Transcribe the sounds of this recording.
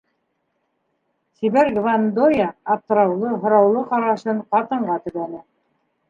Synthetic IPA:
siβæɾɡvand̪ojaːp̚t̪ɤ̆ɾɑwlˠɤɦŏɾɑwlˠɤqɑɾɑʃɤɴqɑt̪ɤ̆ɴɢɑt̪ɵ̆βænɘ

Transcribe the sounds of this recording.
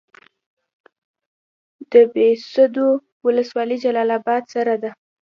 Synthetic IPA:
d̪̥əbesəd̪o | wʊləswɑlid͡ʒalɑlɑbɑd̪saɾad̪a

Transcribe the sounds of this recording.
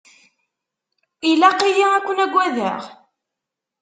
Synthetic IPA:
ilæqijiækʷːənæɡʷæðə̰ʁ

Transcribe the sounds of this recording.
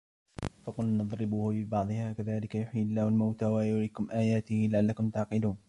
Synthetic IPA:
fɑqʊlnɑðˤɾɪbuːhʊbɪbɑʕd̪ˤɨhaːkaðaːlɪkajʊħjɪlːaːhʊlmawt̪aːwajʊɾiːkʊmʔaːjaːt̪ɪhilaʕalːakʊmt̪aʕqɪluːn

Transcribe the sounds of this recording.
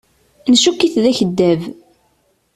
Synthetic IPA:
nʃukːiθðæçəd̪ːæv

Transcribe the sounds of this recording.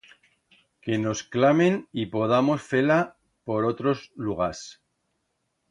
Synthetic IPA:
ke̞no̞sklame̞nipo̞ð̞amo̞sfe̞la | po̞ɾo̞t̪ɾo̞zluɣ̞as

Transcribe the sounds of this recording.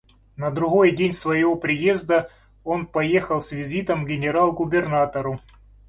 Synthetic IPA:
nəd̪ɾʊɣo̞jdʲenʲsvəjɪvo̞pɾʲɪje̞zd̪ə | o̞npɐje̞xəlˠsʲvʲɪzʲit̪əmɡʲɪnʲɪɾalˠɡʊbʲɪrnat̪əɾʊ

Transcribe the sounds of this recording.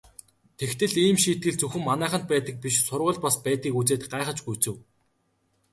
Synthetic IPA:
t̪ʰext̪ʰɘ̆ɮiːmʃiːt̪̚ɡɘ̆ɮt͡sɵxɘ̆mːanæːχə̆nt̪̚pæːt̪ə̆k̚piʃsʊrʁə̆ɮpaspæːt̪ɣiːkut͡seːt̪ɢaːχə̆t͡ɕɡujt͡sɘ̆w

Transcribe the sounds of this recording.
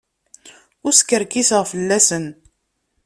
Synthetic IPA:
ʊɾskːəɾkisəʁfəlːæsən

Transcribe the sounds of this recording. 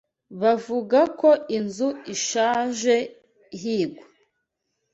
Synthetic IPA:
βavuɡakoʔinzuiʃaːʒe̞ | ɦiːɡwa

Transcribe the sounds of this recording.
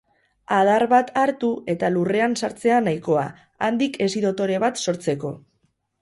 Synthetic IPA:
að̞aɾβat̪ʰaɾt̪ue̞t̪alure̞ansaɾt͡se̞anajko̞a̰ | a̰nd̪ike̞siðo̞t̪o̞ɾe̞β̞at̪so̞ɾt͡se̞ko̞

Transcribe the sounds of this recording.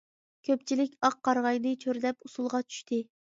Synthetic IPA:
kʲʰøpt͡ʃʰilɪkʲɑqːɑɾʁɑjd̪ɨt͡ʃʰøɾd̪ɛpusulˠʁɑt͡ʃʰy̥ʃt̪ʰɪ

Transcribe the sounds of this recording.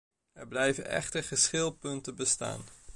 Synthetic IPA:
ɛɹblɛjvənʔɛ̰χtəɹχəsχɪlˠpɵntəbəsta̰ːn

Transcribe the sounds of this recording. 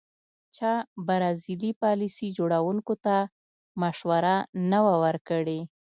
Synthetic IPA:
t͡ʃɑbaɾɑzilipɑlisid͡ʒoɽawuŋkot̪a | maʃwaɾanawawəɾkəɽe

